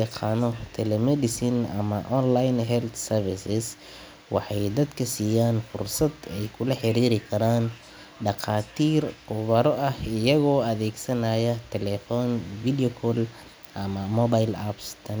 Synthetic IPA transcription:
ɑqʰɑːnɔt̪ʰɛlɛmɛd̪ɪsinɐ̰mɐʔɔnlajnɦɛlt̪sɛrfɪsɪs | wɑ̰ħɑjd̪ɐd̪kʰɐsiːjaːnfʊ̰rsɐd̪ɛjkʰʊlɐħɪɾiːɾɪkʰɐɾaːn | ɖɑqɑːt̪ʰiːrqʊβɐɾɔʔɐhɪjɐɣɔːɐðɛːɡsɐnɐjɐt̪ʰɛlɛfɔːnvid̪ɛɔkʰɔl | ʔɐmɐmɔbajlabst̪ʰɐn

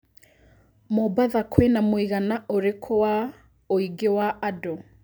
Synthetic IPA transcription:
mobaðakʰwenamoiɣanaʔoɾekʰowa | oiɡewaado

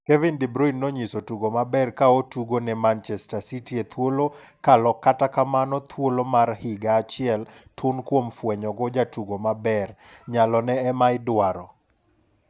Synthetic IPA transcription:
kɛvɪndibɾɔinːɔɲisotuɡomabɛrkaotuɡonɛmant͡ʃɛstasitiet̪ʰwolo | kalɔkːatakamanɔt̪ʰwolomarhɪɡaːt͡ʃɪɛltʰʊnkwomfwɛɲɔɡɔd͡ʒatuɡomabɛrɲalɔnɛːmaɪdwaɾɔ

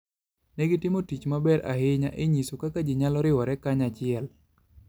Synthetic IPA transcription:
nɛɡɪtɪmotit͡ʃmabɛɾa̰hɪɲa̰ʔɪɲisokakad͡ʒiɲalɔɾɪwɔɾɛkaɲat͡ʃɪɛl

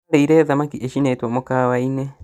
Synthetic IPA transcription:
ɾeiɾɛðamakiʔeʃinetwomokaːwaine

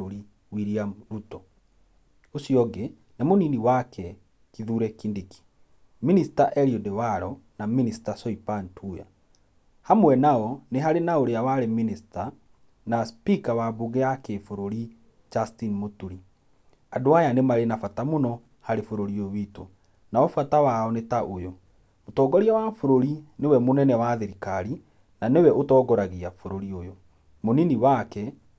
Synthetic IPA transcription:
oɾi | wiɾiaɾutɔ | osiɔɡe | namoniniwakʰɛ | kiðuɾɛkindeki̥ | ministaʔɛɾiodewaɾɔnaministasɔipantʰuja̰ | hamwɛnaɔneɦaɾenaoɾeawaɾeminista | naspikawabuɡɛakefoɾoɾi | d͡ʒastinmotuɾi | adoajanemaɾenafatamonɔ | haɾefoɾoɾiowiːto | naɔfatawaɔnetaʔojo | motɔːɡɔɾiawafoɾoɾinewɛmonɛnɛwaðeɾikaɾi | nanewɛʔotɔːɡɔɾaɣiafoɾoɾiojo | moniniwakɛ

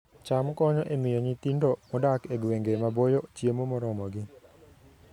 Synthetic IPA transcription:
t͡ʃamkɔɲɔʔemɪjɔɲit̪indɔmɔdakeɡweŋɡemabojɔt͡ʃjemomɔɾɔmɔɡɪ

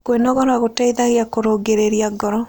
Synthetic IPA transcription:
kwenɔɣɔɾaɣotaiðaɣeakoɾoɡeɾeɾiaɡɔɾɔ

